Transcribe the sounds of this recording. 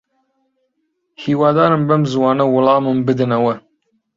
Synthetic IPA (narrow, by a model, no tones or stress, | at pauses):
hiːwɑːd̪ɑːɾɨmbɐmzwɑːnɐwʊlˠɑːmɨmbɨd̪ɨnɐwɐ